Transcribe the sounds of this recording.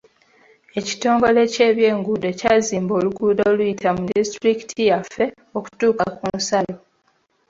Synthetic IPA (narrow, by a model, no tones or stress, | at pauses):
e̞ci̥to̞ːŋɡo̞le̞ce̞ːβje̞ːŋɡuːdocaːziːmbo̞ːluɡuːdoːlujitʰamudistɾiki̥tʰijafːe̞ | o̞ku̥tuːkakunsalo̞